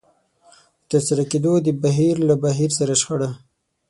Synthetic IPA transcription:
ət̪aɾsaɾaked̪od̪əbaɦiɾlabaɦiɾsaɾaʃxaɽa

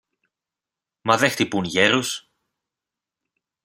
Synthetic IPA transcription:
mɐðext̪ipunʝeɾus

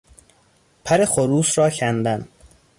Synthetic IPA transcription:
pʰæɾe̞xoɾuːsɾɒːcʰænd̪æn

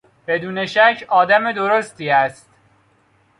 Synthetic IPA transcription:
b̥e̞d̪uːne̞ʃæcʰɒːd̪æme̞d̪oɾost̪iːæst̪

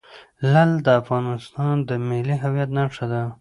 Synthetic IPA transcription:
lald̪əafɣɑnɪst̪ɑnd̪əmɪliɦawjat̪naʂad̪a

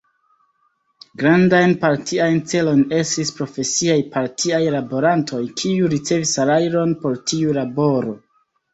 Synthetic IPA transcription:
ɡɾandajnpaɾtʰiajnt͡se̞lo̞jne̞stispɾo̞fe̞siajpaɾtʰiajlabo̞ɾantʰo̞jkʰiuɾit͡se̞visalajɾo̞npo̞ɾtʰiulabo̞ɾo̞

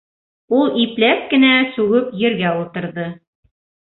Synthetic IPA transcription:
ulˠiplæskɘ̆næsʉɡɵpjɘ̆ɾɡæulˠt̪ɤ̆ɾðɤ

